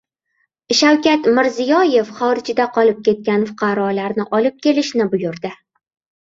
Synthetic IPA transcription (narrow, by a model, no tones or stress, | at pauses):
ʃawkʲat̪mɪɾzɪjɒje̞fχɒɾɪd͡ʒɪd̪aqʰɒlɪp̚kʲe̞t̪̚kʲanfʊ̥qʰɑɾɒlaɾnɪʔɒlɪp̚kʲʰe̞lɪʃnɪbʊjʊɾd̪ɪ